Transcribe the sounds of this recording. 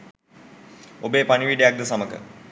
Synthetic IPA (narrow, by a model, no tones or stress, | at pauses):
obeːpaniʋiɖejak̚d̪əsaməkə̰